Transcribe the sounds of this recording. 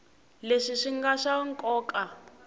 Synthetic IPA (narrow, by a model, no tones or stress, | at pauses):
leʂiʂiŋɡaʂaŋkʼɔːkʼa